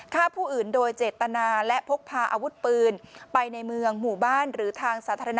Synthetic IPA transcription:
kʰaː˥˩pʰuː˥˩ʔɯː˨˩ndoː˧jt͡ɕeː˨˩t̪ːa˧naː˧lɛ˦˥ʔpʰo˦˥k̚pʰaː˧ʔa̰ː˧wu˦˥t̪̚pɯː˧npa˧jna˧jmɯ˧əŋmuː˨˩baː˥˩nɾɯː˩˦t̪ʰaː˧ŋsaː˩˦t̪ʰaː˧ɾa˧n˦

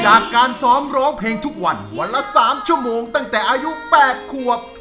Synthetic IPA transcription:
t͡ɕaː˨˩kːaː˧nsɔː˦˥mɾɔː˦˥ŋpʰeː˧ŋt̪ʰu˦˥k̚wa˧nu˧˩˧nla˦˥saː˩˦mt͡ɕʰu˥˩əmoː˧ŋt̪a˥˩ŋt̪ɛː˨˩ʔaː˧ju˦˥pɛː˨˩t̪̚kʰu˨˩əp̚

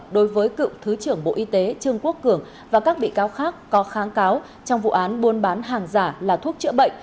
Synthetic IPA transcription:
ɗo˨˦jvəː˨˦jkɨ̰˧˨wt̪ʰɨ˨˦t͡ɕɨ˧˩əŋɓo̰˧˨ʔi˧t̪e˨˦t͡ɕɨ˧əŋku˦˥əkːɨ˧˩əŋ | vaː˨˩kaː˦˥k̚ɓḭ˧˨kaː˨˦wxaː˦˥kːɔ˨˦xaː˨˦ŋkaː˨˦w | t͡ɕɔ˧wŋ͡mvṵ˧˨ʔaː˨˦nɓu˧ənɓaː˨˦nɦaː˨˩ŋzaː˧˩laː˨˩t̪ʰu˦˥ək̚t͡ɕɨ̰˧˥əɓə̰˧˨jŋ̟

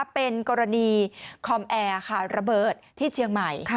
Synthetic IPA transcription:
pe˧nkɔː˧ɾa˧niː˧kʰɔ˧mʔɛː˧kʰa˥˩ɾa˧bɤː˨˩t̪̚ʰːiː˥˩t͡ɕʰi˧əŋma˨˩j

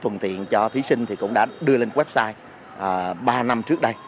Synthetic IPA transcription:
t̪wə̰˨˩nt̪ʰḭ˧˨ənt͡ɕɔ˧t̪ʰi˨˦sï˧ŋ̟t̪ʰi˨˩kʊ̰˧˥ŋ͡mɗa̰ː˧˥ɗɨ˧əle˧nwɛ˦˥p̚saː˧j | ʔəː˨˩ɓaː˧na˧mt͡ɕɨ˦˥ək̚ɗə˧j

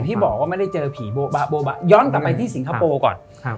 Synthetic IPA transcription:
t̪ʰiː˥˩bɔː˨˩k̚waː˥˩ma˥˩da˥˩jt͡ɕɤː˧pʰiː˩˦boː˧ba˧boː˧ba˧˩jɔː˦˥nkla˨˩pːa˧jt̪ʰi˥˩si˨˩˦ŋkʰa˧˥poː˧kɔ̰ː˨˩n

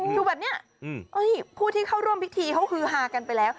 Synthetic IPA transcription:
duː˧˩bɛː˨˩p̚ni˦˥ɐ˩ | ʔa˦˥˩jpʰuː˥˩t̪ʰiː˥˩kʰa˥˩wɾu˥˩mpʰi˦˥k̚t̪ʰiː˧kʰa˦˥wkʰɯː˧ɦaː˨˩ka˧npa˧jlɛː˦˥w

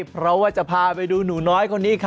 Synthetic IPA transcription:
pʰɾɔ˦˥waː˥˩t͡ɕa˨˩pʰaː˧pa˧jduː˧nuː˩˦nɔː˦˥jkʰo˧nːiː˦˥kʰa˦

